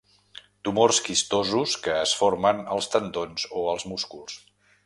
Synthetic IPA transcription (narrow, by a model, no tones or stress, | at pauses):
t̪umorskist̪ozuskəːsfoɾmənəlˠst̪ənd̪onzoəlˠzmuskulˠs